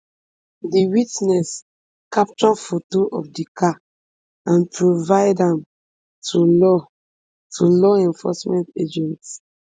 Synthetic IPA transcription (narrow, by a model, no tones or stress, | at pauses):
diwitnɛs | kap̚t͡ʃɔfotoʔɔfdikʰa | ãnpʰɹovaɪdãm | tʰulɔ | tʰulɔɛ̃ɱfɔ̰smɛ̃nted͡ʒɛ̃nt